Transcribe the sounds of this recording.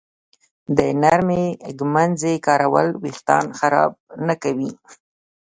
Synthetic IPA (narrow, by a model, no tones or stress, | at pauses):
d̪ənaɾmeɡmanzekɑɾawə̰lwixt̪ɑ̰nxaɾɑ̰b̚nakawi